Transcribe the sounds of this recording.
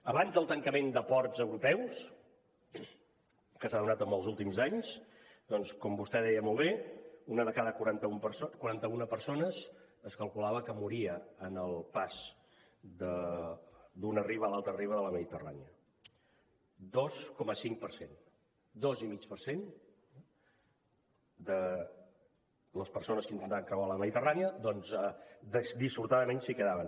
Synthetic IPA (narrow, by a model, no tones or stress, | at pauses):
əβanzðəlˠt̪əŋkəmend̪əpɔɾzəwɾupɛws | kəsaðunat̪əməlˠzulˠt̪imzaɲs | d̪̥ɔnskɔmbust̪ɛðɛjəmɔlˠβeunəðəkaðəkuɾant̪əumpəsokuɾant̪əunəpəɾsonəz | əskəlˠkulaβəkəmuɾiəənəlˠpaz | d̪ə | d̪unəriβəːlalˠt̪ɾəriβəðələməðit̪əra̰niə | d̪ɔskɔməsiŋkpəɾsen | d̪ɔzimit͡ʃpəɾsen | d̪ə | ləspəɾsonəskint̪ənt̪aβəŋkɾəɣwaləməðit̪əraniəd̪ɔnzɛd̪əd̪isuɾt̪aðəmensikəðaβən